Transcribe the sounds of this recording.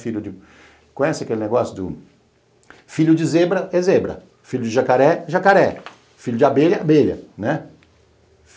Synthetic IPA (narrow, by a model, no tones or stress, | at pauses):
fiʎʊd͡ʒɪ | kõj̃ɛsɪɐkelɪneɡɔsjʊd̪ʊ | fiʎʊd͡ʒɪzebɾɐɛzebɾɐ̰ | fiʎʊd͡ʒɪʒakaɾɛʒakaɾɛ | fiʎʊd͡ʒɪabeʎɐabeʎɐ̰nɛ